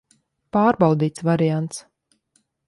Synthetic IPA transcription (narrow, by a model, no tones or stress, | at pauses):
paːɾbawd̪iːt̪svaɾijant̪s